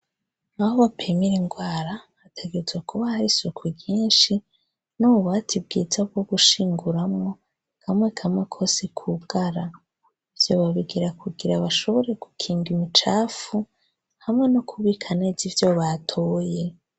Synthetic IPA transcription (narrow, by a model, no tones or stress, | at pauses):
ahoβapʰemiɾeŋɡwaːɾaβatʰe̞ɡe̞zwekʰuβahaɾisokʰwiɡiːnʃi | nuβatʰib̚ɡḭːzab̚ɡo̞ɡuʃiːŋɡuɾamŋo̞ | kʰamŋe̞kʰamŋe̞kʰo̞sekʰuɡ̥aɾa | ivjo̰βaβiɡiɾakʰuɡiɾaβaʃo̞βo̞ɾe̞ɡ̥ukʰiːŋɡimit͡ʃaːfu | hamŋe̞nokʰuβiːkʰanezivjo̞βatʰo̞ːje̞